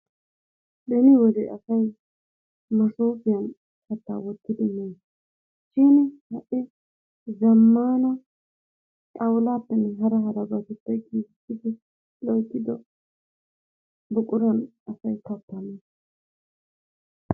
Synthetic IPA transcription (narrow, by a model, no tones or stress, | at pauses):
ɗɛnɪwɔd̪ɛɐsɐj | mɐsoːfɪjɐn | kʰɐt̪ːa̰ːwɔt̪ːɪd̪ɪneː | ʃinɪhɐʔɪ | zɐmːaːnɐ | kʼɐwlaːpːɛnːɛɦɐɾɐɦɐɾɐɡɐtʊtːɐjkiːssɪd̪ɪ | lɔjt̪ːɪd̪ɔ | bʊkʼʊɾɐn | ɐsɐjt̪ɐpːɐmeːs